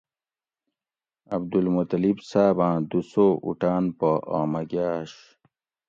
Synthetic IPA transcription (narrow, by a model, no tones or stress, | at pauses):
ɐb̚d̪ulmot̪ɐlibsaːbãːd̪usoʔṵʈaːnpoʔaːmɐɡaːɕ